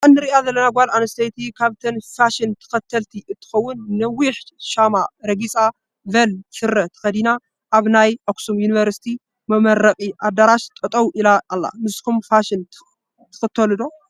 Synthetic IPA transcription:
ʔɨnːɨɾiʔazɐlːɐnaɡʷalanɐst̪ʰɐjt̪ʰikʰaβt̪ʰɐnfaʃɪnt̪ʰɨ̥xɐt̪ʰːɐlt̪ʰiʔɨt̪ʰːɨ̥xɐwːʊnːɐwiħʃamaɾɐɡisʼa | vɐlfɨɾːɐt̪ʰɐ̥xɐd̪ina | ʔaβnajʔoksumjunivɐɾsi̥t̪ʰi | mɐmɐɾːɐkʼiʔad̪aɾaʃt̪ʼɐt̪ʼɐwʔilaːlːa̰nɨskumfaʃɪn | t̪ʰɨ̥xɨt̪ʰːɐlɨd̪o

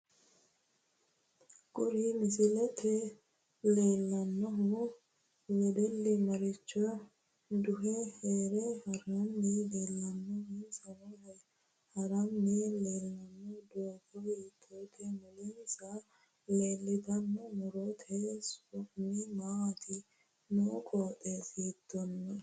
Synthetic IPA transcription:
kʼʊɾimɪsɪlɛt̪ʰɛ | leːlːɐnːɔɦʊ | lɛd̪ɛlːɪmɐɾɪt͡ʃːɔj | d̪ʊɦɛheːɾɛhɐɾɐmːiːleːlːɐnːɔhisɐnɔ | hɐɾɐmːileːlːɐnːɔd̪oːbɔjit̪ʰːot̪ʰɛmʊlɪnsɐ | leːlːɪt̪ɐnːɔmʊɾot̪ʰesɔnimaɐt̪ʰɪ | nɔkʼoːt̪ʼeːsiːt̪ːɔnːɐ

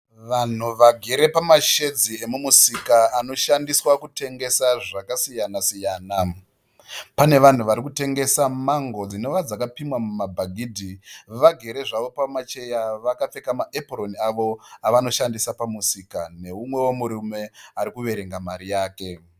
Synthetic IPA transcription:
ʋan̤uʋaɡʱe̞ɾe̞pamaʃe̞d͡zie̞mumusikaano̞ʃandiswakute̞ŋɡe̞saʐakasijanasijaːna | pane̞ʋan̤uʋaɾikute̞ŋɡe̞samaŋɡo̞d͡zino̞ʋad͡zakapimwamumabʱaɡʱiːdʱiʋaɡʱe̞ɾe̞ʐaʋo̞pamat͡ʃe̞jaʋakap͡fe̞kamaʔeproniaʋo̞aʋano̞ʃandisapamusiːkane̞umwe̞wo̞muɾume̞aɾikuʋe̞ɾe̞ŋɡamaɾijaːke̞

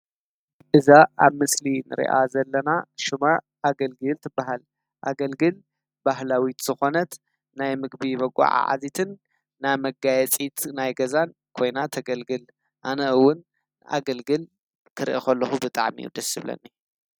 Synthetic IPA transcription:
ʔɨzaʔaβmɨslinɨ̰ɾḭʔa̰zɐlːɐnaʃuma | ʔaɡɐlɡɨlt̪ʰɨbaɦal | ʔaɡɐlɡɨl | bahlawit̪z̥ɨxo̞nɐt̪ | najmɨɡ̚bibɐɡʼa̰ʕa̰ʕa̰zit̪ʰɨnː | ajmɐɡajɛt͡sʼit̪ʰnajɡɐzan | kʰo̞jnat̪ʰɐɡɐlɡɨl | ʔanɐɨwːʊn | a̰ɡɐlɡɨl | kʰɨɾʔixɐlːɐxubɨt̪ʼa̰ʕmḭjṵd̪ɐsɨβlɐ̰nːi

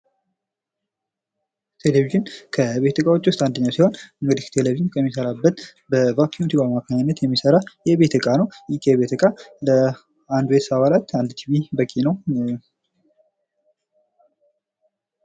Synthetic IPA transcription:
t̪ʰe̞leviʒɪnkʰəβe̞t̪ɨkʼawo̞t͡ʃːwʊst̪ʼand̪əɲːawsiho̞nɨŋɡɨd̪iht̪ʰe̞leviʒinkʰəmːisəɾabːət̪bəvakʰːit̪ʰiβamakʰaɲɪnːət̪jɛmːisəɾajɛβe̞t̪ʰɨkʼanəwjikʰeβet̪ʰɨkʼalə | and̪wet̪saβalat̪and̪t̪ʰivibəkʼːinəw

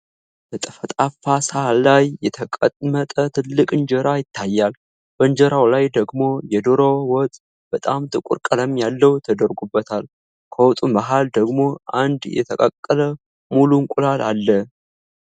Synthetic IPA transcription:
bət̪ʼəfət̪ʼafasalajːɛt̪ʰəkʼət̪ʼmət̪ʼət̪ʰɨlːɨkʼɨnd͡ʒəɾajɪt̪ʰːajːal | b̥ənd͡ʒəɾawlajd̪əɡmo̞jɛd̪oɾowɔt̪ʼ | b̥ət̪ʼamt̪ʰʼɨkʷʼṵɾkʼələmjalːəwt̪ʰəd̪əɾɡubːət̪ʰal | kʰəwɔt̪ʼumaɦald̪əɡmo̞ʔand̪jɛ̰t̪ʰəkʼəkʼːələ | muluŋkʷʼulalalːə

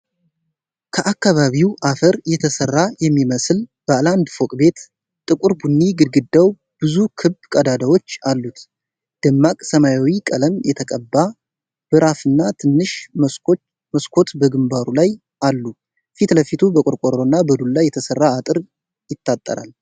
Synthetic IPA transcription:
kʰəʔakːaβaβiwʔafəɾjɛt̪ʰəsərːajɛmːiməslb̥əland̪fokʼbe̞t̪ | t̪ʼɨkʼuɾbunːiɡɨd̪ɡɨd̪ːaw | b̥ɨzukʰɨbkʼəd̪ad̪awo̞t͡ʃːalːut̪ | d̪̥ɨmːakʼsəmajawikʼələmjɛt̪ʰəkʼəbːa | b̥ɨɾafɨnːat̪ʰɨnːɨʃ | məskʰo̞t̪bəɡɨmbaɾulaj | alːu | fit̪ləfit̪ʰubəkʼʊɾkʼoɾonːabəd̪ullajːɛt̪ʰəsərːaːt̪ʼɨɾ | jɪt̪ːat̪ʼːə̰ɾa̰l

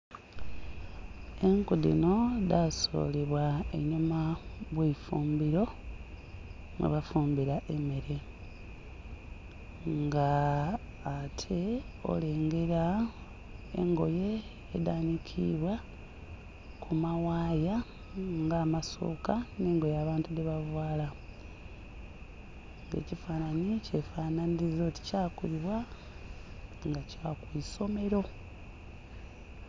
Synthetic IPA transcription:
eŋkudḭnodaso̞̰ːliβwaeɲumaβwefuːmbiɾo̞ | mwḛβafuːmbiɾaʔemeɾe̞ | ŋɡaː | tʰe̞o̞̰le̞ːŋɡe̞ɾa | ḛŋɡo̞je̞ː | daːnikʰḭβwa | kʰumawaːja | ŋɡaːmaso̞̰ːkane̞ːŋɡo̞jaːβaːntudeβavwaːla | ŋɡe̞̰ːcifaːnaɲice̞faːnaniizo̞ti̥caːkuliβwa | ŋɡacakwiːso̞me̞ɾo̞

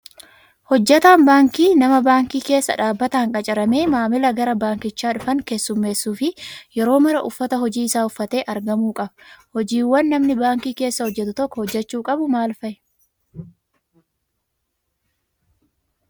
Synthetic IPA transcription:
hɔd͡ʒːɛt̪aːnbaːŋkiːnɐmɐbaːŋkiːke̞ːsːɐ̰ᶑaːbːɐt̪ɐːŋkʼɐt͡ʃʼɪɾɐme̞ːmaːmɪlɐɡɐɾɐbaːŋkɪt͡ʃːaːᶑʊfɐŋkesːʊmːe̞ːsːuːfɪjɛɾo̞ːmɐɾɐʔʊfːɐt̪ɐɦɔd͡ʒiːɪsaːʊfːɐt̪e̞ːʔɐɾɡɐmuːkʼɐbhɔd͡ʒiːwːɐnːɐmnɪbaːŋkiːke̞ːsːɐhɔd͡ʒːɛt̪ʊt̪ɔkːɔhɔd͡ʒːɛt͡ʃːuːkʼɐbʊmaːlfɐʔɛ

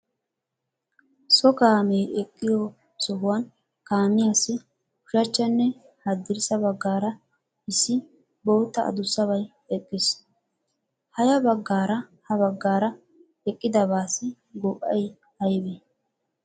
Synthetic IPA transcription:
sɔkaːmejʔɛkʼːɪjɔ | sɔɦʊwɐn | kaːmɪjasːɪ | ʊʃɐt͡ʃːɐnːɛ | hɐd̪ːɪɾsɐbɐɡːaːɾɐ | ɪsːɪ | boːt̪ːɐɐ̰d̪ʊsːɐβɐj | ɛkʼːɪs | hɐjɐbɐɡːaːɾɐhɐβɐɡːaːɾɐ | ɛkʼːɪd̪ɐbaːsɪ | ɡɔʔʼːɐj | hɐjbe

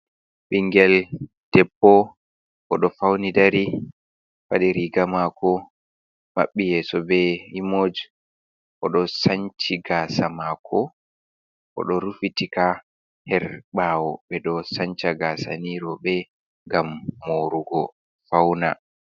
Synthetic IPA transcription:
ɓiŋɡɛl | d̥ɛpːɔ | ʔɔɗɔfawnidaɾi | faɗɛɾiɡamakʰɔ | ma̰ɓːijɛːsɔbɛimod͡ʒ | ʔɔɗɔsant͡ʃiɡaːsamakʰɔ | ʔɔ̰ɗɔɾufitika | hɛɾɓaːwɔɓɛɗɔsaɲt͡ʃaɡasa̰niɾɔɓɛ | ŋɡamːoɾuɡɔ | fawna̰

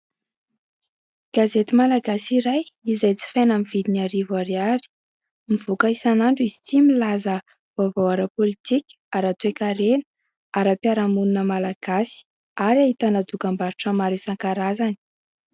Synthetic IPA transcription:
ɡ̥azet̪imalaɡasiɾajizajt͡si̥fejnamivid̪inaɾivaɾiaɾi̥ | miv̥ukəisanaɳɖ͡ʐuizit͡similazə | v̥avawaɾəpolit̪ikʲ | aɾat̪uekaɾenə | aɾapiaɾamununəmalaɡ̥asi̥ | aɾaɦit̪anad̪ukambaɾuʈ͡ʂamaɾusaŋkaɾazani̥

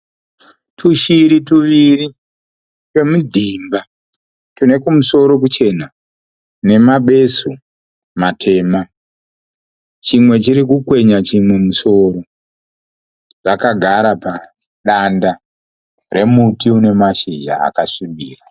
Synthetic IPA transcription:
tʰuʃiɾituʋiri | ke̞mudʱimba | tune̞kumuso̞ɾo̞k̬ut͡ʃe̞na | ne̞maɓe̞so | matʰe̞ːma | t͡ʃimwe̞t͡ʃiɾikukwe̞ɲat͡ʃimwemuso̞ːɾo̞ | ʐ̥akaɡʱaɾapa | ɗanda | re̞mutiune̞maʃiʒa̰a̰kaʂiɓiːra

